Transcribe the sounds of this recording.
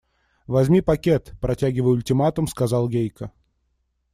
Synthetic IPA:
vɐzʲmʲipɐkʲet̪pɾɐtʲæɡʲɪvəjʊlʲtʲɪmat̪əmskɐzɑlˠɡʲejkə

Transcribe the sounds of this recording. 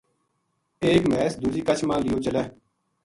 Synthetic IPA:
eːkmɛːsd̪ud͡ʒiːkət͡ʃʰmãːlɪjoːt͡ʃəleː

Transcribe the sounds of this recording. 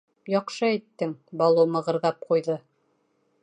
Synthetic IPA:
jɑqʃɤæt̪ːɘŋbɑlˠumɤ̆ʁɤ̆ɾðɑp̚qujðɤ

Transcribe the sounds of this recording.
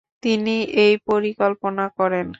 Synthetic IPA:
t̪iniejpoɾikolponakɔɾen

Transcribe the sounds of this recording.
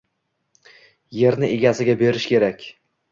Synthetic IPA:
je̞ɾnɪʔe̞ɡʲasɪɡʲabe̞ɾɪʃkʲʰe̞ɾakʲ

